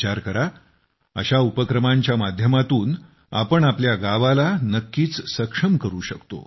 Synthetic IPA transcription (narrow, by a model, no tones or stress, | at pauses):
t͡ɕaɾkəɾa | ə̰ɕaupəkɾəmãɲt͡ɕjamad̪ʱjəmat̪uːn | a̰pəɳapljaɡaʋalanəkːiːt͡ssəkʂəmkəɾuːɕəkt̪o̰